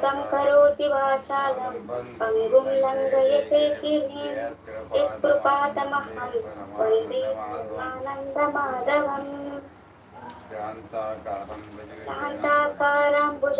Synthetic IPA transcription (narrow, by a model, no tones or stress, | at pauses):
t̪ɐmkɐɾoːt̪iʋaːt͡ʃaːlɐmpɐŋɡumlɐŋɡɐjet̪eːkiɾiːm | it̪̚pɾupaːt̪ɐmɐhɐlpɐlt̪iaːnɐnd̪ʱɐmaːd̪ɐʋɐm | ʃɐɦɐnt̪aːkaːɾaːmbud͡ʒ